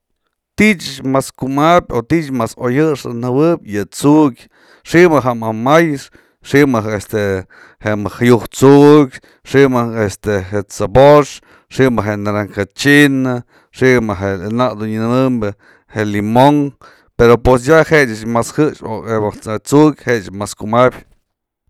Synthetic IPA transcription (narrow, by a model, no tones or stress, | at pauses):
t̪iʔt͡ʃt͡ʃmaskumabʲot̪iʔt͡ʃmasojɨʂɨnɨwɨpʲjɨt͡suʔkʲ | ʂiʔmɨɦaʔmamajʂ | ʂiʔmɨɦest̪e | heʔmahajuht͡suʔkʲ | ʂiʔmɨest̪ehet͡saboʂ | ʂimɨɦenaɾaŋkat͡ʃina | ʂiʔmɨɦenaʔd̪unɨnɨmɨmbɨ | helimoŋ | peɾopwes̬jaheʔt͡ʃɨt͡ʃmashɨt͡ʃoeat͡suʔkʲheʔt͡ʃmaskumabʲ